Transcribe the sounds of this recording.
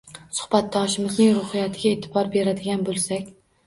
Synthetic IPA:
sʊ̥hbat̪̚d̪ɒʃɪmɪznɪŋɾʊhɪjat̪ʰɪɡʲaeːt̪ʰɪbɒɾbe̞ɾad̪ɪɡʲanbolˠsakʲ

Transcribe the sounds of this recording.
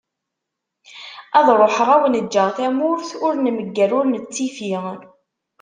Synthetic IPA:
æðˤɾˤoħɾæwənəd͡ʒːəʁθæmʊɾθʊɾnməɡːæɾʊɾnət͡sːifiʁ

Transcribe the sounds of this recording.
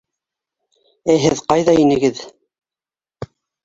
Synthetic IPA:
æɦɘðqɑjðɑinɘ̆ɡɘð

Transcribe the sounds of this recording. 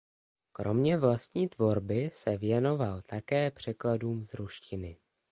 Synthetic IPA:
kɾo̞̰mɲɛvlast̪ɲiːt̪vo̞ɾbɪsɛvjɛno̞valt̪akɛːpr̝̥ɛkladuːmzɾuʃcɪnɪ

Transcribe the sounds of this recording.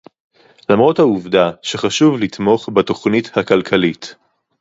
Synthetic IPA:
lamʁo̞thauvdaʃeχaʃuvlitmo̞χbato̞χnithakalkʰalit

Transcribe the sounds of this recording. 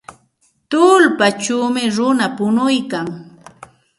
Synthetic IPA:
t̪ʊlpat͡ʃuːmɪɾʊnapʊnʊjkaŋ

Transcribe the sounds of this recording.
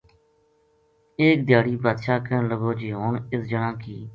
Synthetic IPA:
eːk̚d̪jaːɽiːbaːd̪ʃaːkəːnləboːd͡ʒiːɦoːɳɪsd͡ʒənãːkiː

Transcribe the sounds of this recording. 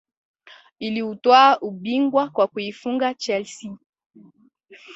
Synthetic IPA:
iliutwaʔuɓiŋɡwakwakuifuŋɡat͡ʃɛlsi

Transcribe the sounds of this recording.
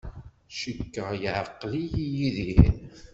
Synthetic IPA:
ʃəkːəʁjəʕəqːlijijiðihn

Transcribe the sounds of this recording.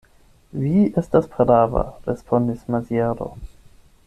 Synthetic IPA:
viestaspɾeɾaːva̰ɾespʰondismaziaɾo̰

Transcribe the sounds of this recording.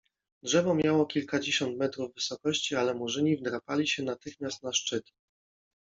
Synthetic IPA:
dʐɛvɔmʲjawɔkʲilkad͡ʑeɕɔnt̪mɛt̪ɾuvːɘsɔkɔɕt͡ɕialɛmuʐɘɲivd̪ɾapalʲiɕɛnat̪ɘxmʲjast̪̚naʂt͡ʂɘt̪ʲɛ̥

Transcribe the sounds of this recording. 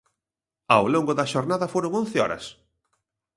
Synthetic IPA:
awloŋɡʊðɐʃoɾnaðɐfoɾoŋõnθɪɔ̰ɾɐ̰s

